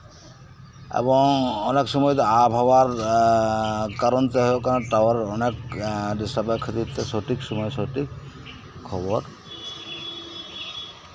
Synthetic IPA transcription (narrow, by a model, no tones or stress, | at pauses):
ḛbɔŋɔneksɔmɔjt̪ɔabʱɦɔbaɾ | kaɾɔnt̪eɦokaɾaʈawaɾɔnekɖisapakʰːɔt̪it̪esɔʈiksɔmɔjsɔʈik | kʰːɔbɔɾ